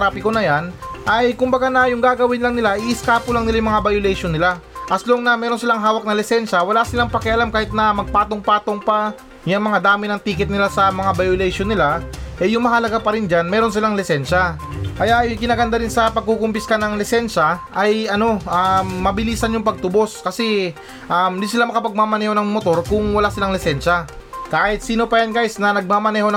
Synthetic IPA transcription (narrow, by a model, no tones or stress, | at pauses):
ɾaːpɪkonɐjanʔɐjkʊmbɐɡanɐjʊŋɡaːɡɐwɪnlɐŋnɪlaʔɪʔɪskaːpʊlɐŋnɪlajʊŋmɐŋabajolɛjʃonɪlaʔɐsloŋnɐmɛːɾo̞nsɪlaŋɦaːwɐk̚nɐlɪsɛnʃɐwɐlasɪlaŋpɐkɛʔɐlamkaːhɪt̪̚nɐmɐɡ̚paːt̪o̞ŋpaːt̪o̞ŋpɐ | jɐŋmɐŋad̪aːmɪnɐŋt̪iːkɪt̪nɪlasɐmɐŋabajolɛjʃonːɪlaʔɛjʊŋmɐɦalɐɡapɐɾɪnd͡ʒanmɛːɾo̞nsɪlaŋlɪsɛnʃa | kɐjaʔjʊŋkɪnaːɡɐnd̪aɾɪnsɐpɐɡ̚kukʊmpɪskanɐŋlɪsɛnʃaʔɐjɐno̞ʔɐmːɐbɪliːsɐnjʊŋpɐɡ̚t̪ʊbo̞skɐsɛ | ʔɐmnd̪iːsɪlamɐkɐpɐɡ̚mamɐnɛːho̞nɐŋmot̪o̞ɾkʊŋwɐlasɪlaŋlɪsɛnʃakaːhɪt̪̚siːno̞pɐjanɡajsnɐnɐɡ̚maːmɐnɛːho̞n